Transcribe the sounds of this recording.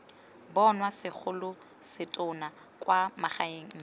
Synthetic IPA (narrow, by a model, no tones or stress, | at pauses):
bɔnwasɪk͡xʰʊlʊ | sɪtʼʊna | kʼwamaχaeŋ̩